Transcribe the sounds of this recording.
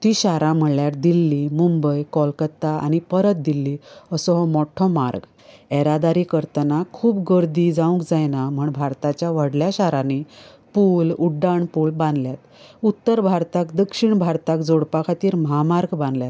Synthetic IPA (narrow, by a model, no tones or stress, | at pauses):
t̪iɕaɾãm̤əɭljaɾd̪ilːimumbəjkɔlkət̪ːaa̰ñipəɾət̪̚d̪ilːiəsɔɦmɔʈʰɔmaɾɡ | ɛɾad̪aɾikəɾt̪ənakʰuːpɡəɾd̪id͡zãũkd͡zajnam̤əɳbʱaɾt̪at͡ɕjaʋəɽljaɕaɾãne | puːluɖːaɳpuːɭbãnd̪ljat̪ut̪ːəɾbʱaɾt̪akd̪əkʂiɳbʱaɾt̪akd͡zoɽpakʰat̪iːɾməɦamaɾɡbãnd̪ljat̪